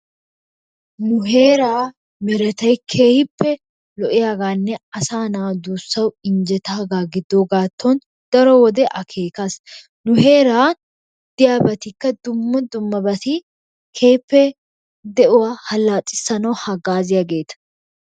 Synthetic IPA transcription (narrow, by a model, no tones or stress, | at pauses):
nʊɦe̞ːɾaː | mɛɾɛt̪ɐjkʰeːhpːɛ | lɔʔɪjaːɡaːnːɛɐsaːnaːd̪uːsːɐwɪɲd͡ʒɛt̪aːɡaːɡɪd̪ːoɡaːt̪ʰːɔn | d̪̥ɐɾɔwɔd̪ɛʔɐkʰe̞ːkas | nʊhe̞ːɾaː | d̪̥ɪjaːbɐt̪ɪkːɐd̪ʊmːɐd̪ʊmːɐbɐt̪i | kʰeːpːɛ | d̪ɛʔʊwaːhɐlːaːtʼːɪ̥sːɐnɐwhɐɡaːzɪjaɡe̞ːt̪ɐ̥